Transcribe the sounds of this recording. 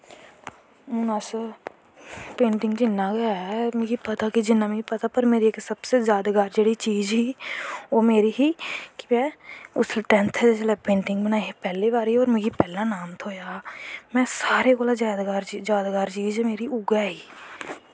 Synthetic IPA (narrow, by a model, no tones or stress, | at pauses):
ʊnaːs | pẽːɳʈɪ̃ŋɡd͡ʒɪnːaːɡəjaɛmẽːɡiːpət̪akid͡ʒɪnːaːmĩpət̪aːpəɾmeːɾieksəbseːzjaːd̪aɡaːɾd͡ʒeːɽit͡ʃiːd͡ʒɦiːoːmeːɾiːɦiːkimɛ̃ːʊsʈɛ̃nt̪ʰɛd͡ʒɛt͡ʃəlɛːpẽːɳʈɪ̃ŋɡbənaːiepɛːleːbaːɾɦiɔːɾmeːɡiːpɛːlaːnaːmt̪ʰoːjaːmɛ̃ːsaːɾekoːlad͡ʒaːd̪ɡaːɾd͡ʒaːd̪ɡaːɾt͡ʃiːd͡ʒmeːɾiːʔʊɡaːɦiː